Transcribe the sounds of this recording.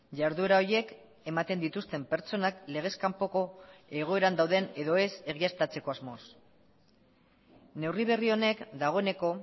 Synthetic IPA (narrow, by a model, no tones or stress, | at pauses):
ʝaɾðue̞ɾao̞ɾje̞k | e̞mat̪e̞nd̪it̪ust̪e̞mpe̞ɾt͡so̞nakle̞ɣ̞e̞skampo̞ko̞e̞ɣ̞o̞e̞ɾand̪awðe̞ne̞ðo̞e̞se̞ɣ̞iast̪at͡se̞ko̞azmo̞s | ne̞wriβ̞e̞rio̞ne̞kd̪aɣ̞o̞ene̞ko̞